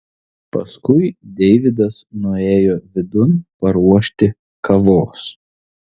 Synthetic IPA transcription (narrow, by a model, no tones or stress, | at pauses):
pɐskʊɪd̪ʲɛɪʋʲɪd̪ɐsnʊeːjoːʋʲɪd̪ʊnpɐɾuɔʃʲt̪ʲɪ | kʰɐʋoːs